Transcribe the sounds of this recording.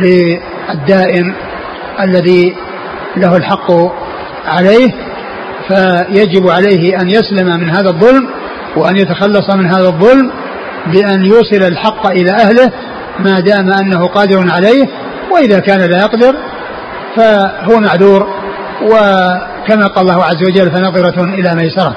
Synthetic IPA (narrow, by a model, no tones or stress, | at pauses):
lɪ | ad̪ːaːʔɪn | ʔalːaði | laɦʊlħɑqː | ʕalejh | fajad͡ʒɪbʕalajɦɪʔanjaslamamɪnɦaːðaðˤːʊlm | wɪʔanjat̪axɑlːɑsˤɑmɪnɦaːðaðˤːʊlm | bɪʔanjuːsˤɨlalħɑqːʔɪlaːʔahlɪh | maːd̪aːmaʔanːaɦʊqɑːd̪ɪɾʊnʕalajh | waʔɪðaːkaːnalaːjɑqd̪ɪɾ | faɦʊwamaʕðuːɾ | wɪ | kamaqɑːlːɑːhʊʕazːawad͡ʒalːfanɑðˤɨɾˤɑʔɪlaːmajsɑɾˤɑ